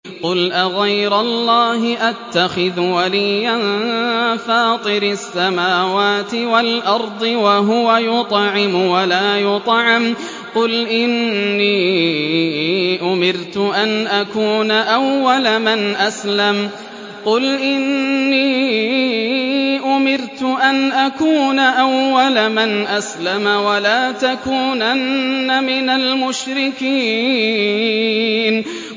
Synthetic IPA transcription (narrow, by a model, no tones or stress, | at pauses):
qʊlʔaɣɑjɾʊlˤːɑːɦɪʔat̪ːaxɪðwalɪjːan | fɑːt̪ˤɨɾɪsːamaːwaːt̪ɪwalʔɑɾˤd̪ˤɨwaɦʊwajʊt̪ˤʕɪmʊwalaːjʊt̪ˤʕɪm | qʊlʔɪnːiː | ʔʊmɪɾt̪ʊʔanʔakuːnaʔawːalamɪnʔaslam | qʊlʔɪnːiː | ʔʊmɪɾt̪ʊʔanʔakuːnaʔawːalamɪnʔaslamawalaːt̪akuːnanːamɪnalmʊʃɾɪkiː | n